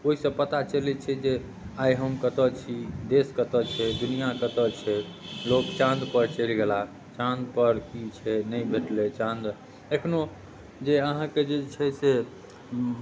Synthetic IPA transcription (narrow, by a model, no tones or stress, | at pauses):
oɦisə̃pət̪at͡ʃəlɛt͡ʃʰɛd͡ʒe | ajɦəmkət̪ət͡ʃʰid̪eskət̪ət͡ʃʰɛd̪unijakət̪ət͡ʃʰɛlokt͡ʃãnd̪pəɾt͡ʃəlɡela | t͡ʃãnd̪pəɾkit͡ʃʰɛnəibʱeʈlet͡ʃãnd̪ | ekʰno | d͡ʒeəɦãked͡ʒet͡ʃʰɛse